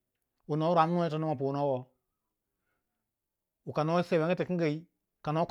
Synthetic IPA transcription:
u˨no˨˦ɾa˨˦m˦nu˦tɔ˨˦no˦ma˨pu˨nɔ˦wɔ˨ | u˨ka˨no˦se˨we˦ɡə˦te˨ki˦ŋ˦ɡə˨i˦ | ka˨no˦k

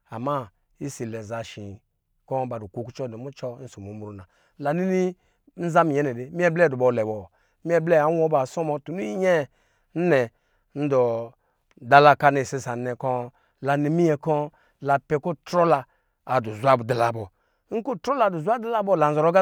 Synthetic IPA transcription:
a˨ma˦ | i˦si˨lɛ˨za˨ʃi˨ | kɔ˦ba˨du˨kʷu˨ku˦t͡ʃɔ˦ni˨mu˦t͡ʃɔ˦n̩˦su˨mu˨˦mu˨ɾu˨˦na˨ | la˨ni˦ni˦ | n̩˦za˦mi˨ɛ˦nɛ˨di˦mi˦ɛ˦blɛ˦˨du˨bɔ˨lɛ˨bɔ˨˦ | mi˦ɛ˦blɛ˦˨a˨˦wɔ˦ba˨sɔ˦mɔ˧tu˨nu˦i˦ɲɛ˦˨ | n̩˦nɛ˨ | n̩˦dɔ˨ | da˦la˦˨ka˦ni˨si˦sa˨˦ɛ˨kɔ˦ | la˨ni˦mi˦jɛ˨kɔ˦ | la˨pɛ˦ko˦tɾɔ˦laː˧˨ | du˨zʷa˦bdi˨la˨bɔ˨˦ | ŋ̩˦ko˦tɾɔ˦la˨du˨zʷa˦da˦la˦bɔ˦˨la˨n̩˦˨zɔ˨ɾɔ˦ɡa˦

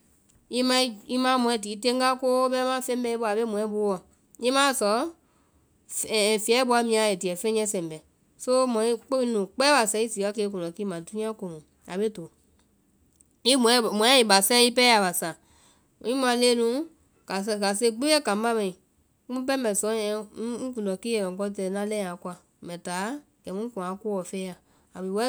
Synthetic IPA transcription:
i˦mã˧i˦i˦mãː˨˦mɔ̃˧˨ɛ̃˧˨diː˨˦tẽ˦ŋɡa˦ko˦ɓɛ˦mã˦fɛ̃˦bɛ˧i˦ɓo˧˦a˨be˦mɔ̃˨ɛ̃˦bu˦wɔ˨ | i˦mãː˦˨sɔ˨˦˨ | fi˨ɛ˨˦ɓu˧˦a˧˦mĩ˧ã˨˧e˨di˨ɛ˨fɛ̃˦ɛ̃˧˦sɛ̃˨m˨bɛ˨ | so˦mɔ̃˨ĩ˦k͡pe˦i˧˦nũː˨k͡pɛː˦ɓa˨sɛ̃˧˦i˦siː˨ka˧˦ke˧˨˦kɔ̃˨nɔ̃˨˦ki˦mã˨du˦nĩ˦ã˦ko˨nũ˨ | a˨be˦to˨ | i˦mɔ̃˨˦˨mɔ̃˨ɛ̃˦i˨ba˨sɛ̃˦i˦pɛ˦a˨ɓa˨sã˨ | ĩ˦mã˨˧˦leː˦nũ˨˦ | ka˨ska˨s̬e˧˦k͡pe˦e˦kã˨˦ba˦mɛ̃˨ĩ˨ | u˦mũ˦p̬ɛ˦bɛ˨sɔ̃˨˦ɛ̃˨˦kũ˨ɔ̃˨kiː˦e˨ɛ̃˨kɔ˧˦t̬ɛ˧˨nã˦lɛ̃˦ã˨˦kwa˧ | mɛ̃˨taː˨˦ | ɡ̥ɛ̃˨mũ˦kũ˨ã˨˦ko˦wɔ˨fɛː˦ja˨ | a˨be˨˦wɛ˦

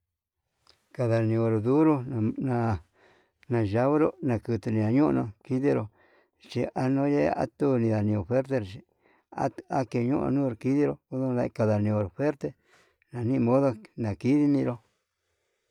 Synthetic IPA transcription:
ka˧ða˨nĩ˧o˧ɾo˨ðu˦ɾu˦˨nã˧ | nã˧ʒa˧βo˦ɾo˧nã˧˨kɨ˧t̪u˧nĩ˧˨a˧ɲũ˦ʔnõ˧ki˦ði˦ɾo˨ | t͡ʃi˧a˧nõ˦je˦˧˦a̰˦t̪u˦˧nĩ˧ða˨nĩ˧o˨fe˦ɾt̪̬e˧ɾo˨t͡ʃi˧ | a̰˦a˦ke˧ɲṵ̃˦ʔnũː˦˧ɾo˨ki˦ði˦ɾo˧u˦ðũ˦˧ða˧ka˧ða˨nĩ˧o˧ɾo˨fe˦ɾt̪e˧ | nã˨nĩ˦˧mõ˦ðo˦˧nã˨ki˦ði˦nĩ˧ɾo˧

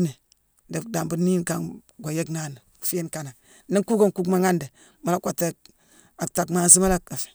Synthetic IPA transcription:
ne˨ | de˨da˨mbu˦ni˦nka˦˨n | ɡʷo˨je˦kna˦˨ni˨ | fe˦nka˨na˨ | ni˦ŋku˦ɡo˦nku˦kma˨ŋa˦nde˨ | ma˨la˦kʷa˨tːe˦ | a˨k̚ta˨kma˨zi˦ma˦la˦ka˨fe̥˨

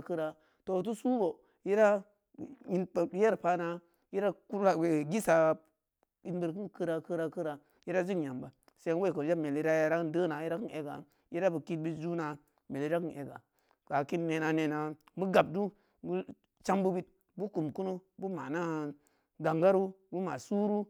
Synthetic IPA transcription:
kɨ˦ɾa˨ | to˨t̬u˦su˦bo˨ | ji˦ɾa˦˨ | ji˨npje˦ɾpa˧na˧ | ji˦ɾa˦ku˦a˦we˨ɡi˦sa˨ | i˦nbə˨ɾki˦nkɨ˦ɾa˨kɨ˦ɾa˨kɨ˦ɾa˨ | ji˦ɾa˦zi˦kɲa˨mba˨ | se˨˦nwe˦˨ko˨d͡ʒa˦me˨li˨˦ɾa˦ja˦ɾa˦kndə˦na˨ji˦ɾa˦ki˦ne˨ɡa̰˨ | ji˦ɾa˦bu˨ki˧t̚bi˦td͡ʒu˦na˨ | me˨li˨˦ɾa˦ki˦nʔe˨ɡa̰˨ | ka˨ki˦nːe˨na˨ne˨na˨bu˦ɡa˨b̚du˦ | bu˦ | t͡ʃa˦mbu˦bi˦t̚ | bu˦ku˨mku˦no˦bu˦ma˨na˦ | ɡa˨ŋɡa˦ɾu˦bu˦ma̰˨su˦ɾu˦

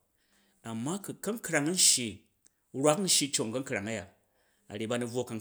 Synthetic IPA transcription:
a˨mːa˦kɨ˨kɐ˦ŋ˦kɾa˨ŋ˦n˦ʃi˧ | ɾʷwa˦kn̩˦ʃi˧t͡ʃo˨ŋ˨kɐ˦ŋ˦kɾa˨ŋa˦ja˨ | a̰˨ɾe˨ba˧nu˨˧b͡vwo˦ka˨ŋ

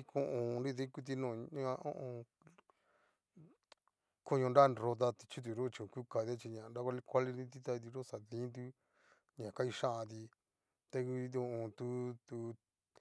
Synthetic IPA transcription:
i˦kõ˧ʔõ˨˧nɾi˦˧ðĩ˦ku˦t̪̬i˧nõ˧˨ã˦a˧õ̰˦ʔõ˧ | kõ˦˧ɲõ˧nɾa˦˨ɾo˧t̪̬a˧t̪i̥˧t͡ʃi˦t̪̬u˧˨ɾo˦˧t͡ʃi˧õ˨ku˦ka˧˨t̪e˦t͡ʃi˧ɲã˨nɾa˦kʷa˦˧li˧kʷa˦li˧ĩ˦t̪i˦t̪a˧i˧t̪̬i˧ɾo˦˨sa˨ðĩ˦nd̪̬u˦ | ɲã˨ka˦i˧ʃã˦ʔã˧t̪i˧ | t̪e˧ku˧õ˧õ˨t̪u˦t̪u˧

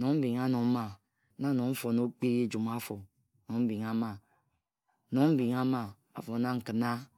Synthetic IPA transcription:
no˨˦m̩˦bi˨ŋa˦no˨˦ma˨˦ | na˦no˨m̩˦fo˨no˦k͡pe˦je˦d͡ʒu˨m˦a˦fo˨ | no˨m̩˦bi˨ŋa˦ma˨ | no˨m̩˦bi˨ŋa˦ma˦˨ | a̰˦fo˨˦na˦ŋ̩˨kɨ˨na˦

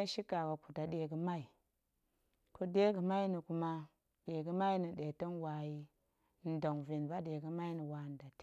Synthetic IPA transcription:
ʃi˦ka˨ɡa˨ku˨ta˨ɗe˨ɡə˦ma˦i˨ | ko˦de˦ɡə˨ma˦i˦ni˨ku˨ma˦ | ɗe˨ɡə˦ma˦i˦ni˨ɗe˨to˦nwa˨ji˦ | n̩˦do˨ŋvi˨nba˦de˨ɡə˦ma˦i˦ni˨wa˨n˨da˨t

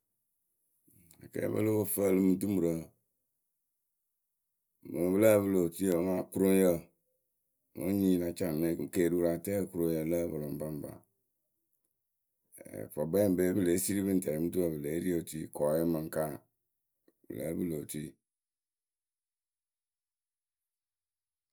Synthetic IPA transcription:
a̰˨kɛ̰˨˦bə̰˦lo˦bo˦fə˦˨lɨ˦mɨ˨tu˦mu˨ɾə˨ | mə˨bɨ˦la˦βɨ˦lo˨ti˦ə˨ma˦˨ku˦ɾo˦jə˦˨ | mo̰˦ɲi˦˨la˨t͡ʃa˦˨me˦˨ke˦˨ɾu˦ɾa˨tɛ˦˨ku˦ɾo˦jə˨lə˦bə˨lo˨m˨ba˦m˨ba̰˨ | fɔ˨bɛ˦˨be˦bɨ˦˨le˨˦si˦ɾi˦bɨ˦n̩˨tɛ˨i˨˦mɨ˦tu˦a˨bɨ˨le˨˦ɾi˦o˨ti˦˨kɔ˨je˦mə˨ŋ˦ka˦ | bɨ̰˨la̰˨˦bɨ˦lo˨ti˦˨

